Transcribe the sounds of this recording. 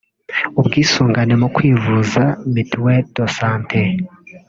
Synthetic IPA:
ubɡiːsuːŋɡanemukwiːvuzamitiwed̥osaːntʰe

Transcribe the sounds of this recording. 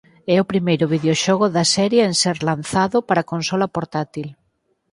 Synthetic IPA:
ɛʊpɾimejɾʊβ̞iðeoʃɔɣʊðɐsɛɾjeenseɾlan̟θaðʊpaɾakonsɔlɐpoɾt̪at̪il

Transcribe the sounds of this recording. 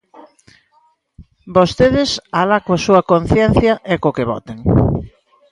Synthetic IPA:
bost̪eðɪsalakoasuɐkon̟θjɛn̟θjɐʔekokeβɔ̰t̪eŋ

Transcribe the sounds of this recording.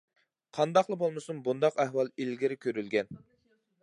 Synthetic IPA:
qʰɑnd̪ɑqlˠəbolˠmɨsumbund̪ɑqæhwɑlˠilɡʲiɾɪkʲʰøɾylɡʲɛn

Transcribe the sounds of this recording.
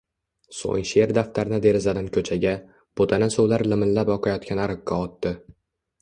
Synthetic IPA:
so̰ŋʃe̞ɾd̪aft̪ʰaɾɪnad̪e̞ɾɪzad̪ɪnkʲʰɵt͡ʃʰaɡʲa | b̥ot̪ʰanɪsowlaɾlɪmɪnlapɒqʰɑjɒt̪̚kʲanaɾɨqʰːɑɒt̪ːɪ

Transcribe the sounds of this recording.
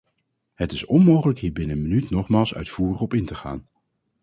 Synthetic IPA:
ɦətɪsɔnmowχələkɦiːɹbɪnəənmənytnɔχmaːlˠsœ̰ɥtfuːrəχɔpɪntəχa̰ːn

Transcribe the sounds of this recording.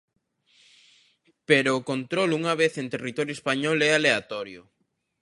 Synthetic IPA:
peɾʊːkont̪ɾoluŋaβeθent̪erit̪ɔɾjoespaɲɔlɛaleat̪ɔɾjʊ̰

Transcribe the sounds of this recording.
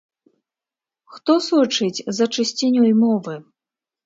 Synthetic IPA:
xt̪ɔsɔt͡ʂɨt͡sʲzɐt͡ʂɨsʲt͡sʲɛnʲɔjmɔvɨ

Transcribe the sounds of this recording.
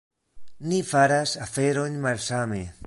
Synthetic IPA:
nifaɾasafe̞ɾonmalsame

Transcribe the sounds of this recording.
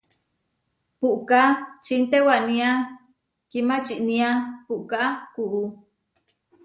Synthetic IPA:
puʔkat͡ʃint̪ewaʔnĩa | kimat͡ʃiʔnĩapuʔkaʔkuʔu

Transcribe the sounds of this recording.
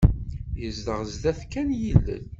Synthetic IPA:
jəzd̪əʁzd̪æθkːænjilːə̰n

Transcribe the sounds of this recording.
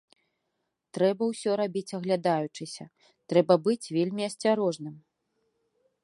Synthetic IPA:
t̪ɾɛbɐwsʲɔɾabʲit͡sʲɐɣlʲad̪ajut͡ʂɨsʲɐ | t̪ɾɛbɐbɨt͡sʲvʲelʲmʲiɐsʲt͡sʲaɾɔʐnɨm

